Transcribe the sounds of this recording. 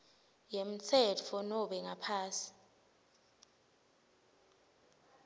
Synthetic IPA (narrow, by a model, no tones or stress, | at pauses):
jem̩t͡sʰɛtfɔnɔɓɛŋapʰaːsi̥